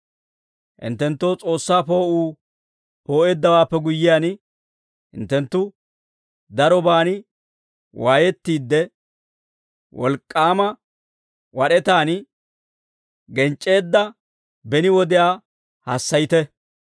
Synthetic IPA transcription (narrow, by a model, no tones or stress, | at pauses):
ʔɪ̰nt̪ːɛnt̪ːo̞ːt͡sʼo̞ːsːaːpo̞ːʔuː | po̞ːʔeːd̪ːɐwaːpːɛɡʊjːɪjaːn | ɪ̰nt̪ːɛnt̪ːʊ | d̪ɐɾɔbaːnɪ | waːjɛt̪ːiːd̪ːɛ | wɔ̰lkʼːaːmɐ | wɐɗɛt̪aːn | ɡɛnt͡ʃʼːe̞ːd̪ːɐ | bɛnɪwɔd̪ɪjaː | hasːɐjɪt̪ɛ